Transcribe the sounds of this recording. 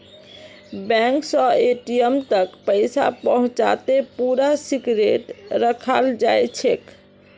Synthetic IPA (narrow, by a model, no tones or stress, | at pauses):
bɛ̃ŋksə̃eʈijəmt̪əkpəɪsa̰pəɦũt͡ʃa̰t̪epuɾasiɡɾeʈɾəkʰald͡ʒajt͡ʃʰek